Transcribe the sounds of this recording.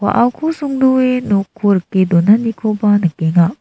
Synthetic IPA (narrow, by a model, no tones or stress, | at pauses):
wa̰ʔawkʰusuŋduenokʰːuɾkːed̪onanikʰobanɯkeŋa